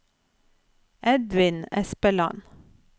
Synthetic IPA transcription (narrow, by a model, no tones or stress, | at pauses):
ʔɛd̪ʋɪnɛspəlɑ̰n